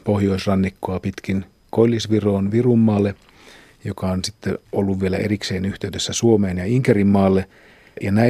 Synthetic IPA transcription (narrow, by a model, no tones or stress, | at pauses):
pohjoisrɑnːikːoɑpit̪kin | kolʲːisʋiroːnʋirumːɑːlːe | jokɑonsit̪ːḛolːuʋʋielæ̰ʔerikseːnyht̪eydesːæsuomeːnjɑiŋkerimːɑːlːe | jɑnæ